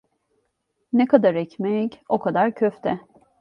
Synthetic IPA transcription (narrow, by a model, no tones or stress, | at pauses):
nekʰad̪aɾɛcmɛco̞kʰad̪aɾcʰøft̪ʰɛ